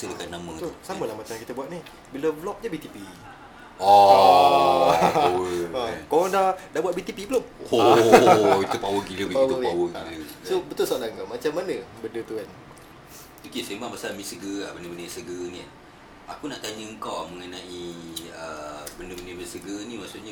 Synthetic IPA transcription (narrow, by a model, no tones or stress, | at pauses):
sədəkanːamə̃t̪ʊsaməlahmat͡ʃamakit̪abuatʔ̪̚nih | biləblɔk̚d͡ʒabit̪ipi | ɔ | awəəkalaŋdadabuat̪̚bit̪ipibəlomo | kit̪upawəɡiləipaw̪upawələsobət̪ʊlsaʔdaŋɡamat͡ʃamːanəbəndət̪uan | okesembaŋpasamĩsəɡəabəndəbəndəsəɡəni | akunaʔt̪aɲəəŋkawaməŋənãʔiəbəndəbəndəbəsəɡənimaʔsuʔɲə